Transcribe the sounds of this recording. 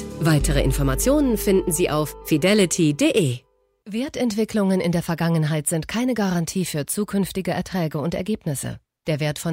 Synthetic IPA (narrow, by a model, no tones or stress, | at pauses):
vaɪtʰəʁ̞əʔɪ̰nfɔɐmat͡sjoːnənfɪndn̩ziːʔa̰ʊffidɛlɪtʰideʔeː | veːɐtɛntv̥ɪklʊŋənɪ̰ndeːɐfɛɐɡaŋənɦaɪtz̥ɪntkʰaɪnəɡaʁantʰiːfyːɐt͡suːkʰʏnftɪɡəʔɛ̰ɐtʁ̥ɛːɡəʊntɛɐɡeːpnɪsə̰ | d̥eːɐveːɐtfɔn